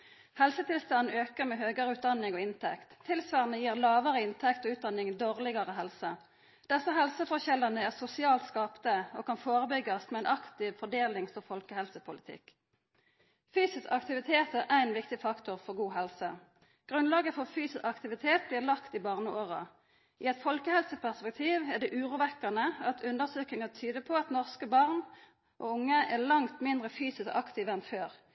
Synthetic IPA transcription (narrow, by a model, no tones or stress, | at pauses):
hɛlsət̪ɪlst̪ɑnn̩øːkəʁmɛːɦøːɡəʁəʉːt̪d̪ɑnɪŋoːɪnt̪ʰɛkt̪ʰːɪlsʋɑʁnəjiːʁlɑːʋəʁəɪnt̪ʰɛkt̪oːʉːt̪̚d̪ɑnɪŋd̪oːʁlɪɡɑʁəɦɛlsə | d̪̥ɛsəɦɛlsəfɔʁɕɛlɑnəæʁsʊsɪɑːlt̪skɑːpnəoːkʰɑnfoːʁəbʏɡɑsmɛæɪnɑkt̪ɪʋfɔɖ̪eːlɪŋfɔʁfɔlkəhɛlsəpʰʊlɪt̪ʰɪ̰k | fyːsɪsɑkt̪ɪʋɪt̪ʰeːt̪əʔæɛnʋɪkt̪ɪfɑkt̪ʊʁfɔʁɡuːɦɛlsə | ɡ̥ʁʉnlɑːɡəfɔʁfyːsɪsɑkt̪ɪʋɪt̪ʰeːt̪̚bliːʁlɑkt̪ɪbɑːʁnəʔoːʁɑ | ʔɪɛt̪fɔlkəhɛlsəpæʁspɛk̚t̪ʰiːʋɛʁd̪ɛːʔʉːʁuːʋɛkːənəɑt̪ʰʉnd̪əsøːk̪ɪŋət̪ʰyːd̪əpʰɔɑt̪nɔʁskəbɑʁn | ʔo̰ːʊŋːəʔɛlɑŋt̪mɪnd̪ʁəfyːsɪsɑkt̪ʰiːʋəɛnføːʁ